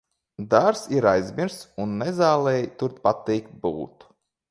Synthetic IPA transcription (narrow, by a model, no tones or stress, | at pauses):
d̪aɾsiɾajzʲmʲiɾssunːɛzaːlˠɛjt̪uɾt̪pat̪iːkt̪̚buːt̪u̥